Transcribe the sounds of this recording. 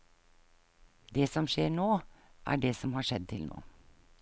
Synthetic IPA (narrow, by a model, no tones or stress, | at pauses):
d̪eːsɔmʃeːɳoːʔæ̰ːɖeːsɔmhɑːʃɛd̪̚t̪ʰɪlnʔo̰ː